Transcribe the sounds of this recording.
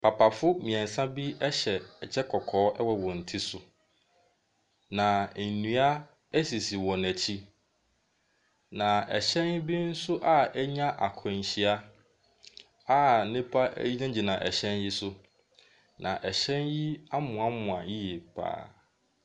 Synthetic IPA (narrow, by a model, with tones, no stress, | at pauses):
pʰa˨pʰa˨fʊ˦mĩ˨ɛ̃˨n˨sã˦bi˦ɛ˦ɕɛ˨ɛ˨d͡ʑʰɛ˦kʰɔ˨kʰɔː˨˦ʔɛ˦wɔ˨wɔ̃˨n̩˨tʰi˦sʊ˦ | nã˨nũ˦a˦ | æ˦si˨si˨wɔ˨næ˨t͡ɕʰi˦ | nã˨ɛ̰˨ɕɛ̃˦n˦bi˦n̩˦sʊ˦ʔa˨ɛ˦ɲã˦ʔa̰˨kʰɔ̃˨ɲ˨ɕi˨a˦ | a˦nɪ̃˦pʰa˦æ̰˦ji˦nã˦d͡ʑi˨nã˨ʔɛ˨ɕɛ̃˦nji˦sʊ˦ | nã˨ʔɛ˨ɕɛ̃˦nji˦a˦mʊ̃˨a˦mʊ̃˨a˨ji˦je˨pʰa̰ː˦